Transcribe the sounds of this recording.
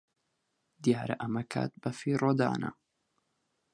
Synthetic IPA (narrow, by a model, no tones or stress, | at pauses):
d̪jaːɾɐʔɐmɐkʰa̰ːt̪̚bɐfiːrod̪a̰ːnɐ̰